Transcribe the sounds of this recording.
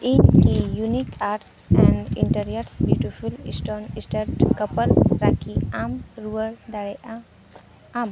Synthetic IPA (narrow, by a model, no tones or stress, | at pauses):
inkijunikʰaːɾʈs | ɛ̃ɳɖḭɳʈəɾijəɾsbjuːʈifulisʈoːnisʈəɾʈkɐpəlɾakiamɾuʋəɽd̪aɽeʔa | am